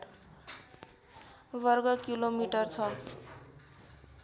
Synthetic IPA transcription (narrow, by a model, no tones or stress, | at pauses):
bʌrɡʌkilomiʈʌrt͡sʰʌ